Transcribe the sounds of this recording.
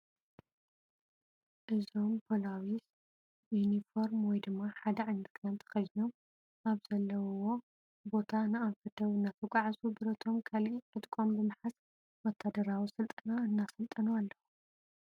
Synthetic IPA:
ʔɨzo̞mpʰolawis | junifo̞ɾmwɔjd̪ɨmːaħad̪ɐʕɨnɨkʰnant̪ʰɐ̥xɐjnom | ʔaβzɐlːɐwwo̞ | bo̞t̪ʰanɨaɱfɐt̪ʰɐwɨnːat̪ʰɐɡʷʼaʕzubɨɾɐt̪ʰo̞mkʰalʔiʔɨt̪ʼkʼo̞mbɨmɨħas | wɔt̪ʰːad̪ɐɾawisɨlt̪ʼɨnaɨnːasɐlt̪ʼɐnualːɐxu

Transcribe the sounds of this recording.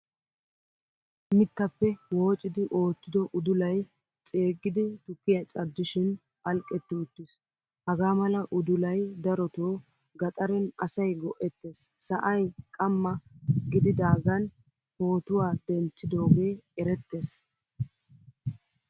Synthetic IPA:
mɪt̪ːɐpːɛwo̞ːt͡ʃʼːɪd̪ɪʔo̞ːt͡ʃːɪd̪ɔʔʊd̪ʊlɐj | t͡sʼe̞ːɡɪd̪ɪt̪ʊkːɪjɐt͡sʼɐd̪ːɪʃɪn | ɐlkʼːɛt̪ːɪʊt̪ːɪs | hɐɡaːmɐlɐʔʊd̪ʊlɐjd̪ɐɾɔt̪oː | ɡɐt̪ʼɐɾɛnɐsɐjɡɔʔɛt̪ːe̞ːsːɐʔɐjkʼɐmːɐɡɪd̪ɪd̪aːɡɐn | ho̞ːt̪ʊwaːd̪̥ɛnt͡ʃːɪd̪o̞ːɡe̞ːɛɾɛt̪ːe̞ːs

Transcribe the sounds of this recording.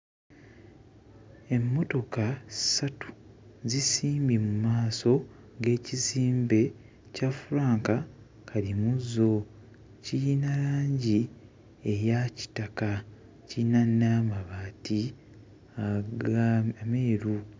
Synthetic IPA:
e̞mːo̞to̞kḁsatu̥ | zisiːmbimumaːso̞ | ɡe̞ːciziːmbe̞ | cafuɾaːŋka | kʰalimuzːo̞ | cijinalaːɲɟi | ejaci̥taka | cinanːamaβaːti | aɡameːɾu

